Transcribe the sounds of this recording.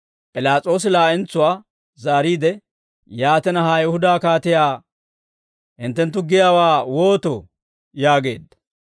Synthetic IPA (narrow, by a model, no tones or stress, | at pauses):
pʼɪlaːt͡sʼo̞ːs̬ɪlaːʔɪnt͡sːʊwaː | zaːɾiːd̪ɛ | jaːt̪ɛnɐɦaːjɛhʊd̪aːkaːt̪ɪjaː | hɪnt̪ːɛnt̪ːʊɡɪjaːwaːwoːt̪ɔ̰ | jaːɡe̞̰ːd̪ːɐ̥